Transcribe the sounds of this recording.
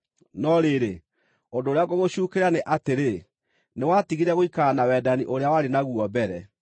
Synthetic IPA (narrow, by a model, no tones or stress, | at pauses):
nɔɾeɾe | ondoːɾeaɣoɣoɕuːkeɾaneʔateɾe | newatiɣiɾɛɣoikanawɛdaniʔoɾeawaɾenaɣuɔbɛɾɛ